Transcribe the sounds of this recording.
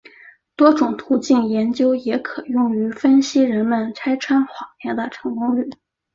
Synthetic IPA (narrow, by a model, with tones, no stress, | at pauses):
t̪wɔ˥ʈ͡ʂʊ˨˩ŋt̪ʰu˧˥t͡ɕi˥˩njɛ˧˥nt͡ɕjo˥ʊjɛ˧˥kʰɤ˨˩jʊ˥˩ŋy˧˥fə˥nɕi˥ɻə˧˥nmə˧nt͡sʰa˥ɪʈ͡ʂʰwa˥nxwa˨˩njɛ˧˥nd̪ə˧ʈ͡ʂʰɤ˧˥ŋkʊ˥ŋy˥˨˩